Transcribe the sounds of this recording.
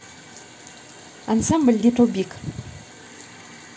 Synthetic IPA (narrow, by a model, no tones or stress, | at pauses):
ansambəld̪iʈ͡ʂobik